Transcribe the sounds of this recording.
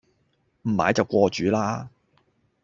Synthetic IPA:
m̩˨˩ma̰ː˨˧˥jt͡sɐ˨wkʷɔː˧t͡ʃyː˨˥laː˥

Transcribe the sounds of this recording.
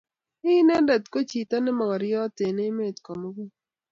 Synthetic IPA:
ɪ˦nɛ˦dɛ˨t̪ko˦t͡ʃi˨t̪a˦nɪ˦mɔ˨ɡɔ˨ɾjɔ˦tɪ˨ne˦me˦˨t̪kɔ˨mo˦ɡo˦

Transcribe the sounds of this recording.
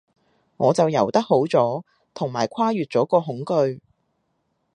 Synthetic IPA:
ŋɔː˨˧t͡sɐ˨wjɐ˨˩wt̪ɐ˥k̚ho˨˥wt͡sɔː˨˥ | t̪ʰʊ˨˩ŋmaː˨˩jkʷʰwaː˥jyː˨t̚t͡sɔː˨˥kɔː˧ɦʊ˨˥ŋkɵ˧ɥ

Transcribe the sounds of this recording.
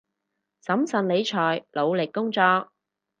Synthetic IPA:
sɐ˨˥msɐ˨nle˨˧jt͡ʃʰɔː˨˩jlo˨˧wlɪ˨kːʊ˥ŋt͡sɔː˧k̚

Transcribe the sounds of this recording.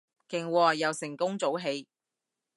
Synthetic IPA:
kɪ˨ŋwɔː˨˩jɐ˨wsɪ˨˩ŋkʊ˥ŋt͡so˨˥wɦe˨˧j

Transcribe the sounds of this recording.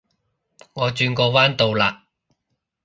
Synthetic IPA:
ŋɔː˨˧t͡ʃyː˧nkɔː˧waː˥nt̪o˨˧wlaː˧ʔ

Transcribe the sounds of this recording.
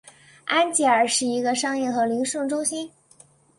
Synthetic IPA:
a˥nt͡ɕi˧˥ə˞˨˩ʂɻ̩˥˩i˧˥ɡə˧ʂɑ˥ŋjɛ˥˩xɤ˧˥li˧˥ŋʂɤ˥˩ŋʈ͡ʂʊ˥ŋɕi˥n

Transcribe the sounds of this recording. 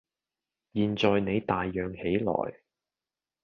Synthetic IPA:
jiː˨˧nt͡ʃɔː˨jne˨˧jt̪aː˨jːœː˨ŋhe˨˥jlɔ̰ː˨˩j

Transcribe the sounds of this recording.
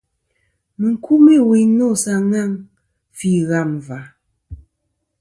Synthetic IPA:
mɨ˨ŋ̩˨kʰu˦me˦˨wi˨nɔ˦˨sa˨ŋa˦˨ŋ | fi˦˨ɣa˦˨m˨va˨˦

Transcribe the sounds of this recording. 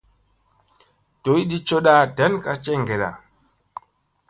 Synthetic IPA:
to˨˦i˦ɗi˦t͡ʃo˦ɗa˦dɛ˨˦nka˦t͡ʃɛ˦ŋɡɛ˨ɗa̰˨

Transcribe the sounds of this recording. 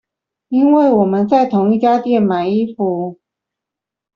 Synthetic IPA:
i˥nwe˥˩ɪwɔ˨˩mə˦nt͡sa˥˩ɪt̪ʰʊ˧˥ŋi˥˩t͡ɕja˥t̪jɛ˥˩nma˨˩ɪi˥fu˧˦

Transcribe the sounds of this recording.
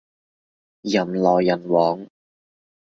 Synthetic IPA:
jɐ˨˩mlɔː˨˩jːɐ˨˩nwɔː˨˥ŋ

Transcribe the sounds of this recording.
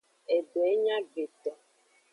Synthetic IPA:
e˨ɖo˨ɛ˦ɲã˦be˨t̪ɔ˨

